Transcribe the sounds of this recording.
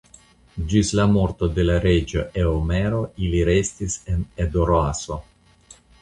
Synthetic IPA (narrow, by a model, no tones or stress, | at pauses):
d͡ʒislamo̞ɾt̪o̞d̪e̞laɾe̞d͡ʒoʔeomeɾo̞iliɾe̞stise̞ned̪oɾoaso̞